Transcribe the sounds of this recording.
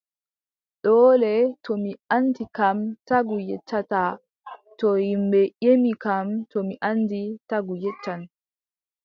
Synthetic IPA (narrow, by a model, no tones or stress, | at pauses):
ɗɔːlɛtɔmiantikamtaɡujɛtːata | tɔhimbɛʔemikamtɔmiʔanːditaɡujɛt͡ʃːan